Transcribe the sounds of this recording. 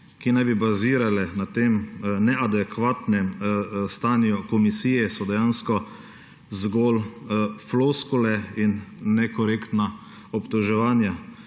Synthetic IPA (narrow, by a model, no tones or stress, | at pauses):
kinajbibaziːɾalɛnat̪emnɛʔad̪ɛkʋaːt̪nɛmst̪aːnjukɔmisiːjɛsɔd̪ɛjanskɔ | zɡolfloskulɛinːɛkɔɾeːkt̪na | ɔpt̪ɔʒɛʋaːnja